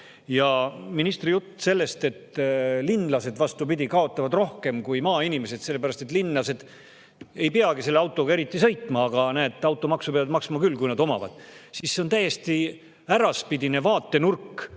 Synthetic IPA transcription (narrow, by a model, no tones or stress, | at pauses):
jɑminist̪rijut̪ˑːse̞lːe̞st̪e̞t̪ːlinːlɑse̞d̪vɑst̪upid̪ʲikɑo̞t̪ˑːɑvɑd̪ro̞hke̞mkujmɑːinime̞se̞d̪se̞lːe̞pæɾɑst̪e̞t̪ːˑlinːlɑse̞d̪̥ | e̞jpeɑɡise̞lːeɑwt̪ːˑo̞ɡ̥ɑe̞ɾit̪ːˑisɤ̞jt̪ˑmɑːɡ̥ɑnæːd̪ˑɑwt̪ːˑo̞mɑksupeɑvɑd̪mɑksmɑkylːkujnɑd̪o̞mɑ̰vɑ̰d̪̥sisːeont̪æje̞st̪i | æɾɑspid̪ine̞vɑːt̪ːe̞nurkː